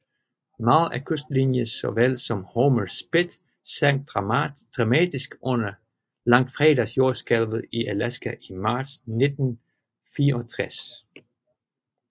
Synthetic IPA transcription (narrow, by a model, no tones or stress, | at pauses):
mɑːð̩ˠæɐkʰøsd̥linjəsɒ̽ʋel̰sɒ̽mhoməlsb̥e̝d̥ | sæŋ̰̥̚ʁɑd̥ʁɑ̈mɛːd̥isɡ̥ʔɔ̽nɐ | lɑ̈ŋ̰d̥fʁɛd̥æsjo̝ɐsɡ̥ælʋð̩ˠiʔælæsɡ̥æʔimɑ̈ːd̥sne̝d̥n̩ | fiːɐɒ̽t͡sʰʁɛs